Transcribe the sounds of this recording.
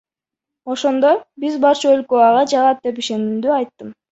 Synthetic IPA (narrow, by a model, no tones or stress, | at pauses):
o̞ʃo̞nd̪o̞bizbɑɾt͡ʃuølkøɑʁɑd͡ʒɑʁɑt̪̚d̪e̞p̬iʃe̞nymd̪yɑjt̪ːɯm